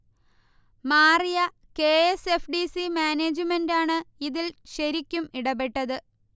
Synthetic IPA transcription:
maːrijɐ | ke̞ːesefɖisimaːneːd͡ʑɨmendaːɳɨiðilɕɐɾikʲːumiɽɐbeʈːɐðɨ

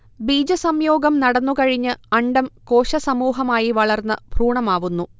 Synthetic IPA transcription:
biːd͡ʑɐsɐmjo̞ːɡɐmnɐɽɐnːukɐɻiɲːɨɐɳɖɐmko̞ːɕɐsɐmuːɦɐmaːjiʋɐɭɐrnːɨbʱruːɳɐmaːʋunːu

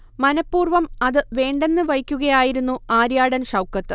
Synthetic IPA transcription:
mɐnɐpːuːrʋɐmɐðɨʋe̞ːɳɖe̞nːɨʋɐjkʲːuɣɐjaːjiɾunːuaːɾjaːɽɐnʂɐwkːɐt̪ːɨ

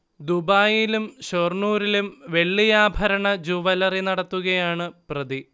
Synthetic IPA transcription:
d̪ubaːjilumɕorɳuːɾilumʋe̞ɭːijaːbʱɐɾɐɳɐd͡ʑuʋɐlɐrinɐɽɐt̪ːuɣɐjaːɳɨprɐd̪i

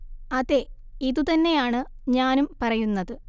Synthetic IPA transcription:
ɐðe̞ | iðut̪ɐnːe̞jaːɳɨ | ɲaːnumpɐrɐjunːɐðɨ

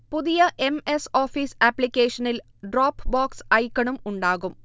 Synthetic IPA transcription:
puðijɐʔe̞meso̞ːfiːsɐpːlikʲːeːʂɐnil | ɖroːpːbaːksɐjkːɐɳumuɳɖaːɣum

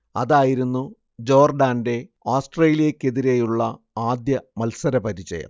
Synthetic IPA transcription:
ɐ̰ðaːjiɾunːu | d͡ʑo̞ːrɖaːnde̞ | oːsʈreːlijɐkːe̞ðiɾeːjuɭːɐ | aːd̪jɐmɐlsɐɾɐpɐɾit͡ɕːɐ̰jɐ̰m

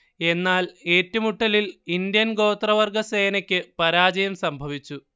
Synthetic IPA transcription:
e̞nːaːle̞ːtːumuʈːɐlilind̪jɐnɡo̞ːt̪rɐʋɐrɡʱɐseːnɐkʲːɨpɐɾaːd͡ʑɐjɐmsɐmbʱɐʋit͡ɕːu

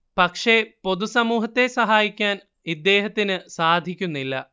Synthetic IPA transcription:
pɐkʂe̞po̞ðusɐmuːɦɐt̪ːe̞sɐɦaːjikʲːaːn | id̪ːe̞ːɦɐt̪ːinɨsaːd̪ʱikʲːunːilːɐ̰

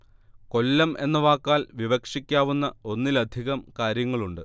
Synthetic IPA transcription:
ko̞lːɐmʔe̞nːɐʋaːkːaːlʋiʋɐkʂikʲːaːʋunːɐo̞nːilɐd̪ʱiɣɐmkaːɾjɐŋːɐɭuɳɖɨ

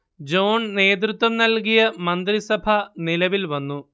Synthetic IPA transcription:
d͡ʑo̞ːɳne̞ːt̪̬ɾut̪wɐmnɐlkijɐmɐnd̪risɐbʱɐnilɐʋilʋɐnːu

